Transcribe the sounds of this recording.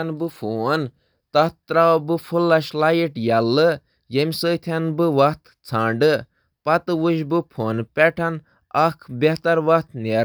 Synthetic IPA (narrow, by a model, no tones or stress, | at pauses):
ɐnbɨfʰoːn | t̪ɐt̪ɾabɨfʰulːɐʃlajiʈjɐlːɨ | jemʲsəːt̪ʰɐnbɨʋɐht̪ʰ | t͡sʰãːɳɖɨ | pɐt̪ɨʋuʃbɨpʰoːnpʲɛʈʰɐn | ɐkʰbʲeɦt̪ɐɾʋɐht̪ʰneːɾ